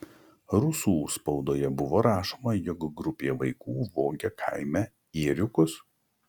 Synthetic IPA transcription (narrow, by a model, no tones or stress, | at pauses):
ɾʊsuːspɔʊd̪oːjɛbʊʋoːɾɑːʃoːmɐjɔkɡɾʊpʲeːʋɐɪkuːʋoːɡʲɛkʰɐ̰ɪmʲæ | iːɾʲʊkʊs